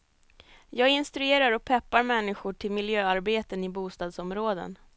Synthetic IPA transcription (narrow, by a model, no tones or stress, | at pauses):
jɑːɡɪnst̪ɾɵeːɾaɾɔk̚pʰɛpːaɾmɛnːɪɧʊʈʰɪlmɪljøːaɾbeːt̪ənɪbuːst̪ɑːd̪sɔmɾoːd̪ə̰n